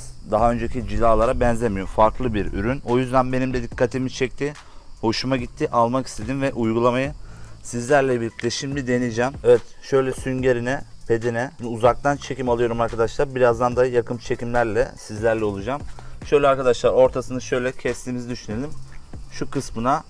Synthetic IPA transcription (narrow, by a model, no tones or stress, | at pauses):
d̪aɦaø̞nd͡ʒe̞cʰid͡ʒid̪aːlˠaɾabɛnzemijomfaɾklˠɯbiɾy̰ɾyno̞jyzd̪ænbe̞nimd̪ɛd̪ikʰːat̪ʰimit͡ʃʰɛc̚t̪ʰi | ho̞ʃumaɟit̪ʰːiʔalˠmaki̥st̪ʰe̞d̪invɛʔujɡulˠamajɯsizlʲæɾlʲɛbilʲːic̚ʲlʲɛʃimd̪ʲid̪e̞nid͡ʒɛmɛvɛt̪ʃø̞jlʲɛsynɟe̞ɾinɛpʰe̞d̪inɛuzak̚t̪ʰant͡ʃʰe̞cimalˠɯjo̞ɾumaɾkʰad̪aʃlˠaɾbiɾazd̪and̪ajakʰɯmt͡ʃʰe̞cimlʲæɾlʲɛ̰sizlʲæɾlʲɛo̞lˠud͡ʒamʃø̞jlʲɛaɾkad̪aʃlˠaɾo̞ɾt̪ʰasɯnɯʃø̞jlʲɛcʰɛst̪ʰʲimizid̪yʃyne̞lʲimʃukɯsmɯna